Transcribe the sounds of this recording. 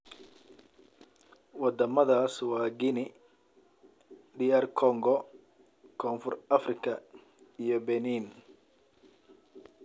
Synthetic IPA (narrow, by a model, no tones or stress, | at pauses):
wɑd̪ɐmɐðaːswɑːɡɪnɪ | ɖiːɛrkʰɔŋɡɔ | kʰɔːnfʊrɐfrɪkʰɐ | ijɔbɛniːn